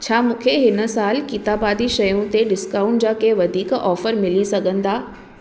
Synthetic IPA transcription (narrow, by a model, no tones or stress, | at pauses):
t͡ɕʰaːmũːkʰeɦɪnə̆saːlkit̪aːbaːd̪iʃɐjũt̪eɖɪskaːʊ̃ɳʈ̚d͡ʑaːkeʋɐd̪ʱiːkɔːfəɾmɪlisɐɡʱə̃nd̪aː